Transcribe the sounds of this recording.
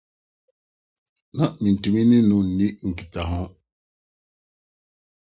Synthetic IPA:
nã˨nĩ˨n̩˨tu˨mĩ˦nɪ̃˦nʊ̃˨n̩˨nĩ˦ŋ̩˨ki̥˨ta˨ɦɔ̃˦

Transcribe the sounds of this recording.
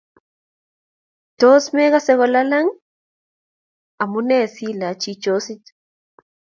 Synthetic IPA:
to˦smɛ˦ɣa˦sɛ˦ɣɔ˨la˦la˦ŋ | a˨mu˦nɛ˦˨si˦la˨t͡ʃi˦t͡ʃo˦si˦t

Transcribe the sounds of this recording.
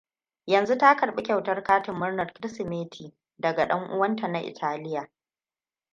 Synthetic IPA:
jɐ˨nzu˦ta˦kɐ˨rɓe˦kʲɐ˨wtɐ˦rkaː˦tɪ˨mːʊ˦rnɐ˨rkɾɪ˦sɪ˨meː˦tʰiː˨ | dɐ˨ɡa˨ɗɐ˦ŋʔʊ̰˦wɐ˦nta˨na˦ʔɪ̰˨tʰaː˦lɪ˦ja˨ʔ

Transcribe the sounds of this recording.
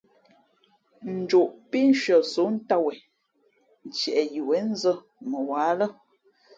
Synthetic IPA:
n̩˨d͡ʒo˨ʔpi˦n˦ʃə˨so˨˦n̩˦ta˦wɛ˨ | n̩˨t͡ʃɛ˨ʔɛ˨ji˨wɛ˨˦n̩˦zə˦ | mə˨wa˨˦lə˦

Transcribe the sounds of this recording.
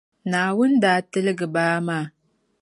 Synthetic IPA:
na˨wʊ˦ndaː˨˦tə˦lɡɨ˨baː˦ma˦˨

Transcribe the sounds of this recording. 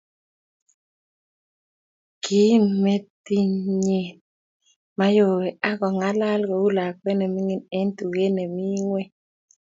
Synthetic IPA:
ki˦mːe˦t̪i˦ɲe˨ | ma˦jo˨we˨a˦kɔ˨ŋa˦la˦lɡɔ˨u˦la˨kwe˦nɛ˨mi˦ŋi˦ne˦nt̪u˨ɣe˦ne˨mi˦ŋwe˦

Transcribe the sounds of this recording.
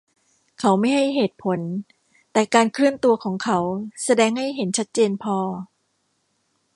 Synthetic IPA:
kʰa˦˥wma˥˩jɦa˥˩jɦeː˨˩t̪̚pʰo˩˦n | t̪ɛː˨˩kaː˧nkʰɾɯ˥˩ənt̪u˧ɐkʰɔː˩˦ŋkʰa˦˥wsa˧dɛː˧ŋha˥˩jɦe˩˦nt͡ɕʰa˦˥t̪̚t͡ɕeː˧npʰɔː˧

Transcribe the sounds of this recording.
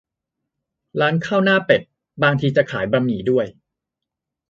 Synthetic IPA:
laː˦˥nkʰaː˥˩wnaː˥˩pe˨˩p̪̚ | baː˧ŋt̪ʰiː˧t͡ɕa˨˩kʰaː˩˦jba˧mniː˩˦du˥˩əj

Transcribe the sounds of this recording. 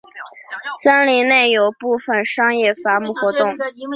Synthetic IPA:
sa˥nli˧˥ne˥˩ɪjo˨˩ʊpu˥˩fə˥˩nʂɑ˥ŋjɛ˥˩fa˧˥mu˥˩xwɔ˧˥t̪ʊ˥˩ŋ

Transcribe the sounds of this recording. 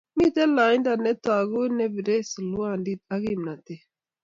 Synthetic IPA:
mi˦t̪e˦laː˨jnda˨ne˦t̪a˨ɡu˦ne˦bi˨ɾe˦sə˨lu˦a˦ndi˦t̪a˦ɡi˦mna˨t̪e˨

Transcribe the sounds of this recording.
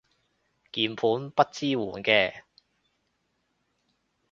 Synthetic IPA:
kiː˨˩mpʰuː˨˥npɐ˥t̚t͡siː˥wṵː˨˩nkɛː˧

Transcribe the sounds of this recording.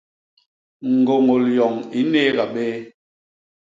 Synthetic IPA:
ŋ̩˨ɡo˨ŋo˨ljɔ˨ŋi˦neː˦ɣa˨ɓe˦

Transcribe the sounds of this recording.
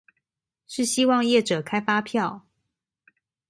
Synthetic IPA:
ʂɻ̩˥˩ɕi˥wɑ˥˧ŋjɛ˥˩ʈ͡ʂɤ˨˩kʰa˥ɪfa˥pʰjɑ˥˨ʊ

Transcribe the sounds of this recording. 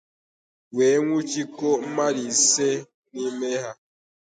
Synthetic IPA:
we˨˦ŋʷu˦t͡ʃi˦ko˦m̩˦ma˦di˨se˦ | ni˦me˦ɦa˦

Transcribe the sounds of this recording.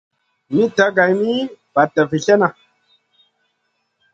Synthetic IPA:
mi˦ta˨˦ɡa˨jmi˦b̥a˨ta˨vi˨ɬe˦na˨

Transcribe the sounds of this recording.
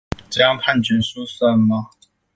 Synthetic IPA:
ʈ͡ʂɤ˥˩jɑ˥ŋpʰa˥˩nt͡ɕɛ˨˥nsu˥sa˥˩ma˧

